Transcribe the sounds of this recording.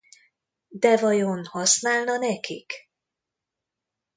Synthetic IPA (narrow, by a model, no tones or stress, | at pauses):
d̪ɛvɒjo̞nhɒsnaːlnɒnɛkik